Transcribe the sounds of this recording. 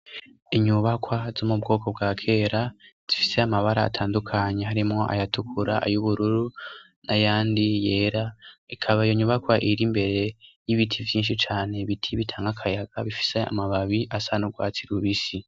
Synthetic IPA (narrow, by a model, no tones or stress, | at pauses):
iɲuβakwazomub̚ɡo̞ːko̞bɡaːkʰe̞ɾaz̥ifi̥se̞amaβaɾa̰ːtʰaːndukʰaɲe̞ɦaɾimŋo̞ʔa̰jatukʰuɾaʔa̰juβuɾuɾu | nʔajaːndije̞ːɾaikʰaβaijoɲuβakwaʔiɾimbe̞ɾe̞jiβitʰivjiːnʃit͡ʃaːne̞βitʰiβitʰaːŋɡakʰajaɡ̥aβifi̥se̞a̰maβaβiʔasanuɡwa̰ːt͡siɾuβisi